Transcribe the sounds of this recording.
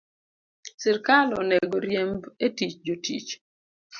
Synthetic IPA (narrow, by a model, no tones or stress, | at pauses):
sɪɾkalɔneɡoɾjembetit͡ʃd͡ʒotḭt͡ʃ